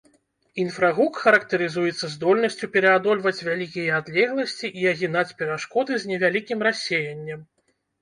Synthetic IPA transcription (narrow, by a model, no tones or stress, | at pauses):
in̪fɾaɣukxɐɾɐkt̪ɛɾɨzujɛt̪sːɐzd̪ɔlʲnɐsʲt͡sʲupʲɛɾɛad̪ɔlʲvɐt͡sʲvʲalʲikʲijɛad̪lʲɛɣlˠɐsʲt͡sʲiʔiɐɣʲinat͡sʲpʲɛɾaʂkɔd̪ɨzʲnʲɛvʲalʲikʲimrasʲejɐnʲːɛm